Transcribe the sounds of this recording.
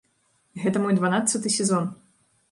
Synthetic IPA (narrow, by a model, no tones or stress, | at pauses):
iɣɛt̪ɐmɔjd̪vanat̪sːɐt̪ɨsʲɛzɔn